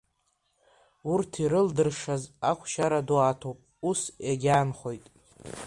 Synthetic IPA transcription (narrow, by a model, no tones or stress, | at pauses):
urtʰiɾɨldɨrʂazakʷʰʃaɾaduatʰowpʼ | usaɡʲaːnχo̞jtʼ